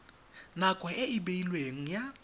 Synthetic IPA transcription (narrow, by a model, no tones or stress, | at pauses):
nakʼwɛʔɪɪbeilweŋ̩ja